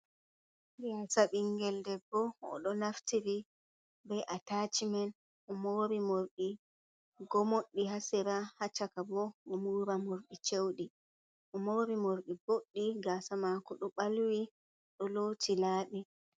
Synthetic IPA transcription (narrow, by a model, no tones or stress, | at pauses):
ɡasaɓiŋɡɛldɛbːɔɔ̰ɗɔnaftiɾi | bɛʔatat͡ʃimɛn | ʔɔmoɾimoɾɗi | ɡɔmoɗːiɦasɛɾahat͡ʃːakabɔɔmuɾamoɾɗit͡ʃewɗi | ʔɔmoɾimoɾɗiboɗːiɡasamakɔɗɔɓalwi | ɗɔlotilaːɗɛ